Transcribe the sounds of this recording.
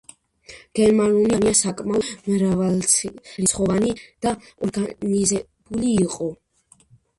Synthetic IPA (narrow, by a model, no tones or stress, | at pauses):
ɡ̥ɛnmanuliaɾiasakʼmaɔmɾavalχɾisχɔvanid̪̥aɔɾɡanizɛ | b̥uliːqʼɔ